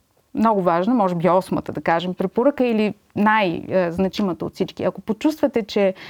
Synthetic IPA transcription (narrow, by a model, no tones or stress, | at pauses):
mnɔɡʊvaʒnəmɔʒɛbiɔsmət̪əd̪ɐkaʒɛmpɾɛpoɾəkəili | najznɐt͡ʃimət̪əo̰t̪sit͡ʃkḭɐkopot͡ʃust̪vɐt̪ɛt͡ʃɛ